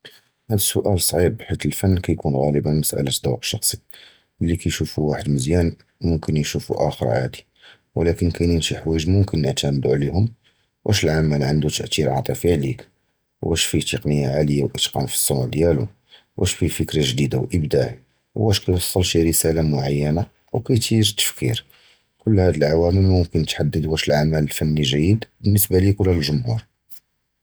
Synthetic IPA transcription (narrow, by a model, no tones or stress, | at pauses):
hæd̪əsʊʔælsˤʕib̚ħit̪əlfænːkæjkunɣæləbæməsʔæ̰lət̪d̪ˤɑwqʃɑxsˤi̥ | əlːikæjʃufuwaħəd̪məzjæn | mʊmkənjʃufṵʔæ̰xəɾˤʕæ̰d̪i | wlækənkʰæjninʃiħwiʒmʊmkənːəʕt̪ʰænd̪uʕlihʊm | wʔæʃəlʕamælʕənd̪ut̪əʔt̪iɾʕɑ̰t̪ˤifiʕlik | wʔæʃfit̪əqnəjːaʕaləjːawʔət̪qɑ̰nfi̥sˤːuwʕd̪jælṵ | wʔæʃfifəkɾaʒd̪id̪awʔəbd̪aʕi | wʔæʃkæjwɑsˤːɑlʃiɾəsælamʊʕajːæna | wkæjt̪ʰiɾt̪ːə̥fkʰḭɾ | kʊlːhæd̪əlʕawæməlmʊmkənːət̪ħad̪ːəd̪wæʃəlʕamæləlfænːiʒæjːəd̪bənːəsbalikʊlhælʒʊmhuɾ